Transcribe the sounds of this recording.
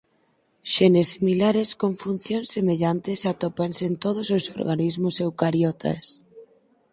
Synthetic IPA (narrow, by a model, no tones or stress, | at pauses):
ʃenesːimilaɾeskoɱfun̟θjonsːemeʎant̪esat̪opansent̪oð̞ososo̰ɾɣanizmʊsewkaɾjɔt̪ʰa̰s